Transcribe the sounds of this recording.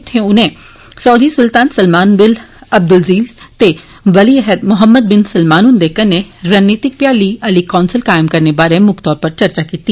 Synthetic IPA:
t̪ʰẽʊnẽː | sɔːd̪isʊlt̪aːnsəlmaːnbɪlɐb̚d̪ʊlziːlt̪e | ʋɐliɛɦəd̪mʊɦəmːəd̪̚bɪnsəlmaːnʊnd̪eːkənnːeɾaːnneːt̪ɪk̚pjaːliːɐliːkɔːnsəlkaːɪmkɐɾnebaːɾẽmʊkʰt̪ɔːɾpəɾt͡ʃɐɾt͡ʃaːkiːt̪i

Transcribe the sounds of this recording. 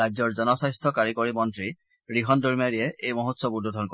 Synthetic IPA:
azɔɹzɔnɔsajstʰɔkaɹikoɹimɔntɹi | ɹiɦɔndoɹimaɹiɛejmoɦotsɔbudʱɔdʱɔnkɔ

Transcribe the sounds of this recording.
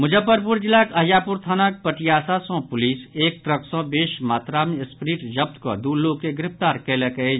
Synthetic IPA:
mʊd͡ʒəpːəɾpuɾd͡ʒɪlakɐɦjaːpuɾt̪ʰaːnak̚pəʈijaːsasɔ̃pʊliːseːk̚t̪ɾəksɔ̃beːʃmaːt̪ɾaːmispɾiːʈd͡ʒɐb̚t̪kə̰d̪uːɾlokeɡɪɾɪpt̪aːɾkelekəe

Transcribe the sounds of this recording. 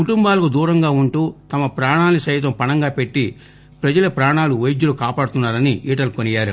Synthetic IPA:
kuʈumbaːlɐkud̪uːɾɐŋɡaːuɳʈuːt̪ɐmɐpɾaːɳaːnisɐjt̪ɐmpɐnɐŋɡaːpe̞ʈːi | pɾɐd͡ʒɐlɐpɾaːɳaːluʋɐjd͡ʒːulukaːpaːɽɐt̪unːaːɾɐniiːʈɐlkonijaːɾu

